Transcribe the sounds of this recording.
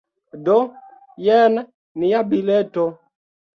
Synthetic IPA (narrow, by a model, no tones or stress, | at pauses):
dɔ | jɛna | nijabilɛtɔ